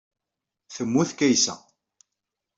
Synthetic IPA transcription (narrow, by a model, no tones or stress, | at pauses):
θəmːuθkæjsæ̰